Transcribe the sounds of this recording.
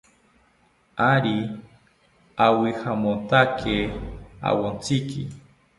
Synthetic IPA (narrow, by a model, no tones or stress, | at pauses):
aɾi | awihamont̪akʰea̰wont͡sikḭ